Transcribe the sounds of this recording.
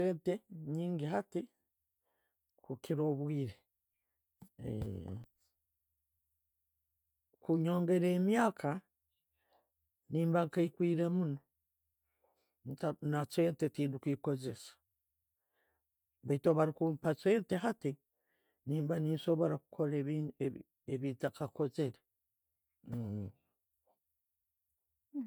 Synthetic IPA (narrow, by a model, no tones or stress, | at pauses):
eːteɲiːŋɡiɦati | kukiɾo̞ːβwiːɾe | kuɲo̞ːŋɡe̞ɾeːmjaːkʰa | niːmbaŋkaikwiːɾe̞muno | ntanat͡setetiːndukiko̞ze̞sḁ | βatoβaɾikupat͡seːteɦati | niːmbaniso̞βo̞ɾakukʰo̞ɾei | eβintakako̞ze̞ɾe